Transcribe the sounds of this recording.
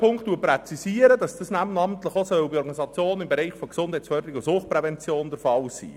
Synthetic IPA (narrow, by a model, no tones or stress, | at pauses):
pʰʊŋkχt̪ːuəpɾɛt͡sisiːəɾədɑsd̥ɑsnæbənɑmt̪ləχosœwbiɔɾɡɑnisɑt͡sjoːnɪmbeɾɛɪχfɔksʊnd̥hɛɪt͡sfœdəɾikʊsʊχpɾɛvɛnt͡sjoːndɛɾfɑlsḭː